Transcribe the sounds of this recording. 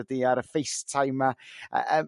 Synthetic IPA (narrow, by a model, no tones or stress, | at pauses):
ədiaɾəfejstʰajmaə̰ə